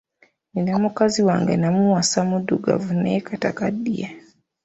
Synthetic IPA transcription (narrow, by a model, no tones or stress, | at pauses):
ninamɔkaziwaŋɡɛ̰namuwasamuduɡa̰vunɛkatakadḭa